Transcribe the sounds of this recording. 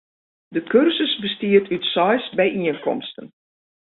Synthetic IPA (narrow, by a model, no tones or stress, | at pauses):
dəkørsəsbəstiərtʰytsɔjsbɛjʔiənkɔ̰mstən